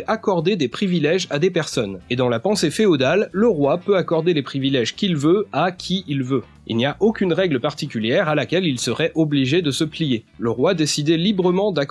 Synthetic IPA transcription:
ʔakɔʁd̪ed̪epχivilɛʒad̪epɛʁsɔned̪ɑ̃lapɑ̃sefeod̪alːəʁwapøakɔʁd̪elepχivilɛʒkʲilvøakʲʰiilvø | ḭlniaʔokʲynʁɛɡləpaʁt̪ikʲyljɛʁalakʲɛlilsəʁɛʔɔbliʒed̪əsəplijeləʁwad̪esid̪ɛlibʁəmɑ̃d̪ak

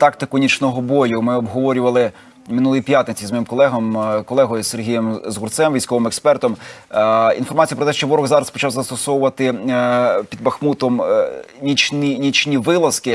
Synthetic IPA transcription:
t̪ɑkt̪ɪkʊnʲit͡ʃnɔɦɔbɔjʊmɪɔbɦɔʋɔɾʲʊʋɐlˠɪ | mɪnulˠjipʲjat̪nɪt͡sʲizmɔjimkɔlˠɛɦɔmkɔlˠɛɦɔjʊserɦʲijɛmzɣʊrt̪sɛmʋʲijsʲkɔʋɪmekspɛrt̪ɔm | ḭnfɔrmɑt͡sʲijɐpɾɔt̪ɛʃt͡ʃɔʋɔɾɔɣzɑɾɐspɔt͡ʃɑwzɐst̪ɔsɔwʊʋɐt̪ɪ | pʲid̪bɐxmut̪ɔmnʲit͡ʃnʲinʲit͡ʃnʲiʋɪlˠɐskɪ

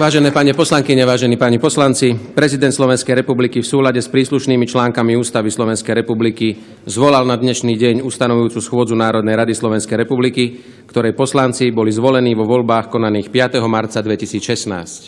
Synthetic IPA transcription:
ʋaːʒɛnɛːpaːɲɛpɔslaŋkiɲɛʋaːʒɛniːpaːɲipɔslant͡sipɾɛzid̪ɛnt̪slɔʋɛnskɛjɾɛpublikifsuːlaɟɛspɾiːsluʃniːmit͡ʃlaːŋkamiuːst̪aʋislɔʋɛnskɛjɾɛpubliki | zʋɔlalnad̪ɲɛʃniːɟɛɲust̪anɔʋujuːt͡susxʊɔd͡zunaːɾɔd̪nɛjɾad̪islɔʋɛnskɛjɾɛpubliki | kt̪ɔɾɛjpɔslant͡sibɔlizʋɔlɛniːʋɔʋɔʎbaːxkɔnaniːxpɪat̪ɛɦɔmaɾt̪t͡sad̪ʋɛcisiːt͡sʃɛsna̰ːsc

